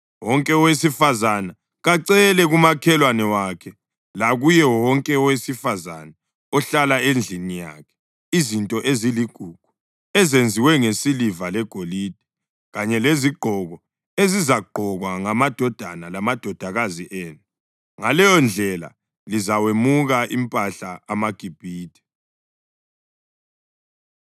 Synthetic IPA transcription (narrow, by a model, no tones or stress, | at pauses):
wɔŋkʼɛɔwesifazana | ɣaǀɛlɛɣumakʰɛlwanɛwakʰɛ | laɣujɛwɔŋkʼɛɔwesifazana | ɔɬalaend͡ɮʱinija̰kʰɛ̥ | izintʼɔʔeziliɡ̥ʱuɡ̥ʱu̥ | ɛzend͡zʱiwɛŋesilivalɛɡ̥ʱolid̥ʱi | ɣaɲɛleziɡ͡ǃʱɔɣɔ | ezizaɡ͡ǃʱɔɣwaŋamad̥ʱɔd̥ʱanalamad̥ʱɔd̥ʱaɣaziʔeːnu | ŋalɛjɔnd͡ɮʱɛla̰ | lizawemuɣaʔimpʼaɬaamaɡ̥ʱib̥ʱiːd̥ʰʱʼɛ̥